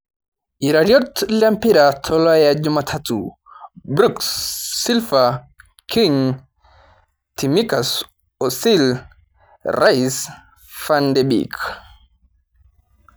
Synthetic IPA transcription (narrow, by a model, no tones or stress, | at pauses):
iɾaɾjɔtlampiɾatʰɔlɔajad͡ʒumatʰatu | bɾuksːilfa | kʰiŋ | timikas | ɔsil | rʔais | fandɛbḭk